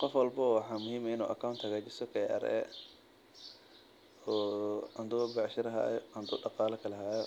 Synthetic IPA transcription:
qɔfwɑlbɐwɑħɑːmʊhiːmɐɪnṵːʔɐkʰawnt̪ʰhɐɣaːt͡ʃɪsɔkʰɛɐ̰ɾɛ̰ | ɔːɐnd̪ubɛʕʃɪɾɐɦa̰ːjɐnd̪uːɖɑqɑːlɐkʰɐlɐɦaːjɔ

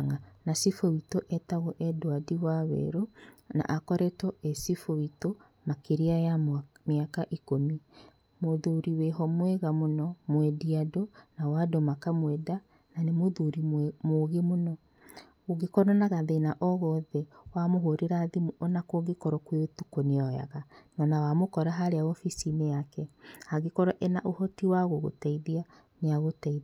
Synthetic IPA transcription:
ŋanasifowitoʔɛtaɣɔʔɛdoadiwawɛ̰ɾona̰ʔakɔɾɛtɔʔɛsifoito | makeɾiajameakaʔikomi | moðuɾiweɦɔmwɛɣamonɔmwɛdiadonawadɔmakamwɛda | nanemoðuɾimoɣemonɔ | oɣekɔɾɔnaɣaðenaʔɔɣɔðɛwamoɦoɾeɾaðimonakoɣekɔɾɔkweotukoneɔja̰ɣanɔnawamokɔɾaɦaɾeaɔfisineakɛhaɣekɔɾɔʔenaʔohɔtiwaɣoɣo̰taiðia | neaɣotaið

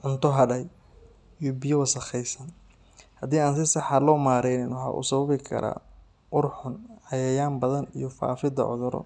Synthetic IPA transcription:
ʕʊnt̪ʰɔɦɐɖɐj | ijɔbɪjɐwɐsɐxɛjsɐn | hɐd̪iːaːns̬ɪsɑħɑlɔːmaːɾɛjnɪnwɑħɑ̰ːʔʊ̰sɐβɐβɪkʰɐ̰ɾa̰ː | ʔʊrħʊnʕɑjɐjaːmbɐðɐnijɔfa̰ːfɪd̪ɐ̰ʕɔ̰ðʊɾɔ̰

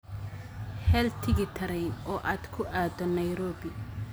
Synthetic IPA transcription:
hɛːlt̪ʰɪɡɪt̪ʰɐɾɛjnɔːʔaːd̪kʰʊʔaːd̪ɔnɐjɾɔːbɪ

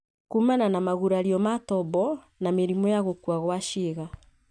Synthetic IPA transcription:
kumananamaɣuɾaɾiɔmatɔbɔ | nameɾimɔjaɣokwaɣwaʃeɣa

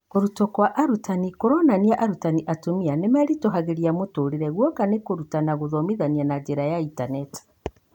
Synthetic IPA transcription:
koɾutɔkwaʔaɾutanikoɾɔnaniaʔaɾutaniʔatomianemɛɾitoɦaɣeɾiamotoɾiɾɛɣwɔkanekoɾutanaɣoðɔmiðanianad͡ʒeɾajaintanɛti̥

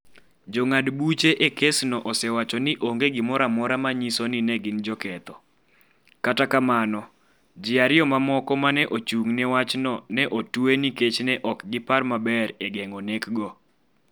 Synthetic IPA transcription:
d͡ʒoŋadbut͡ʃeʔekesnɔʔɔsɛwat͡ʃɔnɪʔoŋɡeɡɪmɔɾamɔɾamaɲisonɪnɛɡɪnd͡ʒɔkɛt̪ɔ | katakamanɔ | d͡ʒɪaɾɪɔmamɔkɔmanɛʔot͡ʃuŋnɛwat͡ʃnɔnɛʔotueniket͡ʃnɛʔɔkɡɪparmabɛɾeɡɛŋonekɡɔ

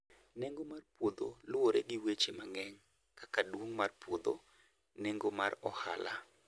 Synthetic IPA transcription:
neŋɡomarpwod̪o̰lwoɾeɡɪwet͡ʃemaŋɛɲ | kakadwoŋmarpwod̪o̰ | neŋɡomarɔha̰la̰

